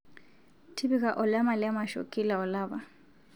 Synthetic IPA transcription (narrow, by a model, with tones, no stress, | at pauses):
tʰi˦bi˦kʼa˨ʔʊ˨la˦ma˨lɪa˦maʃo̰˨kʼi˦la˨ʊ˨laː˦ba˨